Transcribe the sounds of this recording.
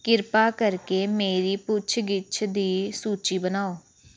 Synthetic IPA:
kɪɾpaːkəɾkeːmeːɾiːpʊt͡ʃʰɡɪt͡ʃʰd̪iːsuːt͡ʃiːbənaːoː

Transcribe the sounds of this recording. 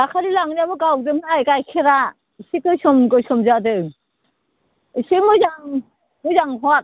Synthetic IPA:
akʰaɾilaŋniabɯɡawdɯŋnajkajkʰeɾa | sikɯsɔmɡɯsɔmzadɯ | simɯzaŋ | mɯzaŋɦɔt̚

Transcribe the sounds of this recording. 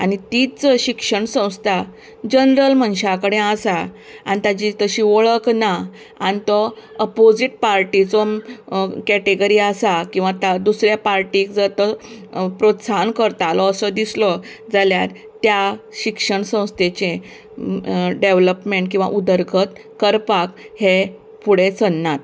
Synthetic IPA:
añit̪it͡sɕikʂəɳsə̃w̃st̪ʰa | d͡ʑənɾəlmənɕakəɽẽasa | a̰nit̪ad͡ʑit̪əɕiʋɔɭəkna | anit̪ɔəpod͡ziʈ̚paɾʈit͡sɔ | kɛʈeɡəɾiasakĩw̃ʋat̪ad̪usɾjapaɾʈikd͡zat̪əpɾot̪sankəɾt̪alɔəsəd̪islɔ | d͡zaljat̪ | t̪ːjaɕikʂəɳsə̃w̃st̪et͡ɕẽ | ɖeʋləpmeɳʈkĩw̃ʋa̰ʔud̪əɾɡʱət̪ | kəɾpak | he | puɽ̤et͡sənːat̪̚

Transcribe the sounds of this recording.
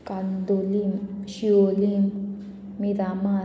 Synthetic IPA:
kand̪olimʃiolim | midama

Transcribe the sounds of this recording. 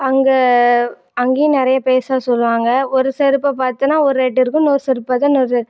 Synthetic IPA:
ɐŋɡe | ɐŋɡinɪɾɐjɐpeːsaːsɔlːʋaːŋɡɐɔɾɯsɛɾɯpːɐpaːɾt̪ɯnaːɔɾɯɾɛʈ̬ːɪɾɯkːɯ̃noːɾsɛɾɯpːɐðɐnɔɾɛ

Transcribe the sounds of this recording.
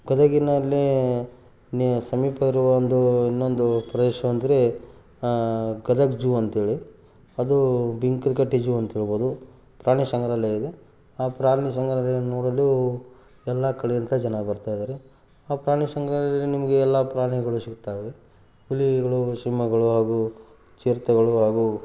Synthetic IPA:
ɡɐd̪ɐɡinɐlːi | sɐmiːpɐiɾuʋɐond̪uinːond̪upɾɐd̪ɛːʃɐʋɐnd̪ɐɾe̞ | ɡɐd̪ɐɡd͡ʒuːɐnt̪ɦeːɭi | ɐd̪ubiŋkd̪kɐʈːid͡ʒuːɐnt̪ɦeːɭbo̞ːd̪u | pɾaːɳisɐŋɡɐɾaleːid̪e | aːpɾaːɾɳisɐŋɡɾɐlenoːɽɐlːu | ɛlːakɐɽɛjɐnt̪ɐd͡ʒɐnɐbɐɾt̪aːjd̪aːɾe | aːpɾaːɳisɐŋɡɾaːlɐɐlːinimɐɡeːlːapɾaːɾɳiɡɐɭusikt̪aːjʋe | uliɡɐɭuʃimːɐɡɐɭuɦaːɡu | t͡ʃiːɾt̪ɐɡɐɭuɦaːɡu

